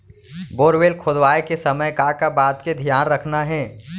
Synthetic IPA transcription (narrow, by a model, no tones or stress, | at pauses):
boːɾʋeːlkʰod̪ʋaːekesəməjkakabaːt̪ked̪ʱijaːnɾəkʰnaɦɛ̃ː